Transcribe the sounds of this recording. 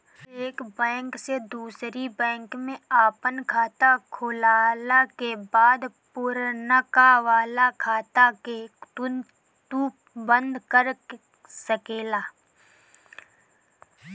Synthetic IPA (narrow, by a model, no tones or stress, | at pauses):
eːkbɛ̃ːŋksed̪uːsɾibɛ̃ːŋkmẽaːpənkʰaːt̪akʰʊlaːlakebaːd̪pʊɾnəkaʋaːlakʰaːt̪ake | t̪uːp | bə̃nd̪ʱkəɾ | səkeːlaː